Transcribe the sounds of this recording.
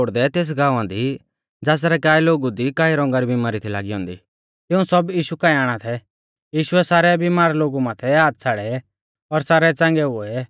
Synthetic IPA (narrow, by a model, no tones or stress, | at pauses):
oːɽd̪ɛt̪eːs̬ɡãːuãːd̪i | d͡zaːs̬ɾɛkaːiloːɡud̪ikaːiɾɔ̃ŋɡaɾibimaːɾit̪ʰila̰ːɡiɔ̃ːnd̪ḭː | t̪ɪũsɔbjiːʃukaːiaːɽ̃at̪ʰɛ | jiːʃʊɛsaːɾɛbimaːɾloːɡumaːt̪ʰɛaːt̪̚t͡sʰaːɽɛ | ɔɾsaːɾɛt͡sãŋɡɛoɛ